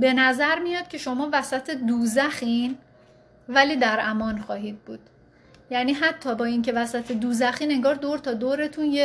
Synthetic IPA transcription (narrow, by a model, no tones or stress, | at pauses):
be̞næzæɾmijɒːd̪̥̚cʰe̞ʃo̞mɒːvæsæt̪ʰed̪uːzæxiːn | væliːd̪æɾæmɒːnxɒːɦiːd̪̚buːd̪̥ | jæniːɦæt̪ʰːɒːbɒːiːŋcʰe̞væsæt̪ʰed̪uːzæxiːne̞ŋɡɒːɾd̪oɾt̪ʰɒːd̪oːɾe̞t̪ʰuːnje